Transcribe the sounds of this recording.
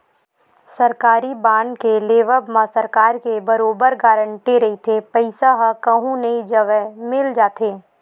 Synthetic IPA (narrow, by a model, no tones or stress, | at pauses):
sɐɾkaːɾibãːɳɖkeleːʋəbmãsəɾkaːɾkebɐɾoːbəɾɡaːɾəɳʈeɾɐɦit̪ʰepəɪsaɦkɐɦũnɐɦĩd͡ʒəʋɛmɪld͡ʒaːt̪ʰeː